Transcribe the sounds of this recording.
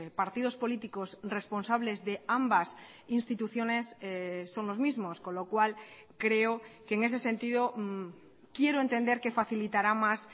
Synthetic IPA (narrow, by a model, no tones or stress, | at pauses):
paɾt̪ið̞o̞spo̞lit̪iko̞sre̞spo̞nsaβ̞le̞zðe̞ambas | inst̪it̪uθjo̞ne̞ssːo̞ŋlo̞zmizmo̞sko̞nlo̞kwal | kɾe̞okeŋe̞s̬e̞sẽ̞nt̪iðo̞ | kje̞ɾoe̞nt̪e̞nd̪e̞ɾke̞faθilit̪aɾamas